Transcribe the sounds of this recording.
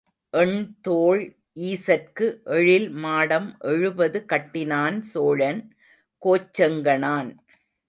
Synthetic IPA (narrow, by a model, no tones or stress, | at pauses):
ʔɛɳt̪oːɭ | ʔiːsɐrkɯʔɛɻɪlmaːɽɐmʔɛɻɯbɐðɯkɐʈːɪnaːnsoːɻɐn | koːt͡ʃːɐŋɡɐɳaːn